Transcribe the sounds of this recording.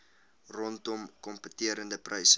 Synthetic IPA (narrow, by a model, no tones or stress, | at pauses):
rɔntɔmkɔmpətiəɾəndəprʔɐjsə